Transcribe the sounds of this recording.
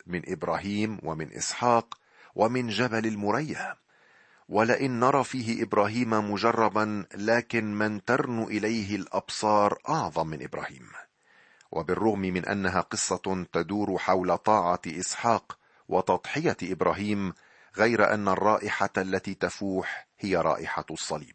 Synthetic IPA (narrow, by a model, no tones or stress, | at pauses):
mɪnʔɪbɾaːɦiːmwamɪnʔɪ̰sħɑːq | wʔamɪnd͡ʒabalalmʊɾajːa | walaʔɪnːɑɾˤɑːfiːɦɪʔɪbɾaːɦiːmamʊʒɑrˤːɑbanlaːkɪnmant̪ɑɾˤnuːʔɪlajɦɪlʔɑbsˤɑːɾˤʔɑʕðˤɑmːɪnʔɪbɾa̰ːhḭːm | wʔa̰bɪrˤːʊɣmɪmɪnʔa̰nːaɦaːqɨsˤːɑt̪ad̪uːɾħawlat̪ˤɑːʕɑʔɪsħɑːq | wɑt̪ɑt̪ˤħɪjaʔɪbɾaːɦiːm | ɣajɾaʔa̰nːarˤːɑːʔɪħaʔalːat̪iːt̪afuːħhɪjaɾˤɑ̰ːʔɪħasˤːɑlḭːb̚